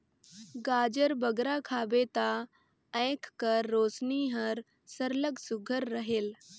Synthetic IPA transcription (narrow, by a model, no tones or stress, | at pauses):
ɡaːd͡ʒəɾbəɡɾakʰaːbet̪a | ɛ̃ːkːəɾːoːsniːɦəɾ | səɾləɡsʊɡʱəɾːəɦeːl